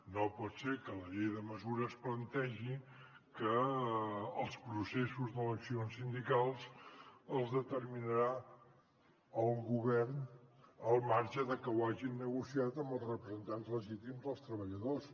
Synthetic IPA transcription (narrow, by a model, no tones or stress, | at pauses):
nopɔt̪sekələʎejðəməzuɾəsplənt̪ɛʒi | kəː | lˠspɾusesuzðələksionsind̪ikalˠsəlˠzðət̪ərminəɾa | əuŋɡuβɛrnəlˠmaɾʒəðəkəwaʒinːəɣusiat̪əmbəlˠsrəpɾəzənt̪anzləʒit̪imzðəlˠst̪ɾəβəʎəðos